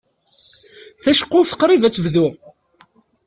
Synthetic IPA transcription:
θæʃə̥qːʊθə̥qɾˤivæt͡sːəvðu

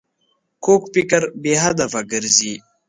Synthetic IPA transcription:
kʰoːkpikɐɾbeːɦɐd̪ɐfaɡəɾziː

